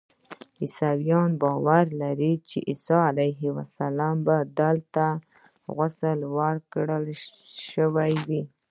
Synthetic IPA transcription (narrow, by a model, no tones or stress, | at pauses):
isawijɑnbɑwaɾlaɾit͡ʃḛʔisɑalajɦɪwasalɑmbad̪əlt̪a | ɣʊsəlwaɾkɽəlʃəwajwi